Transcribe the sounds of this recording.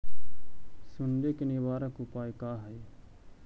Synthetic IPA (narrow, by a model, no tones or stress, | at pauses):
sʊnd̪eːkɪneːʋaːɾaːkʊpaːekaːɦəeː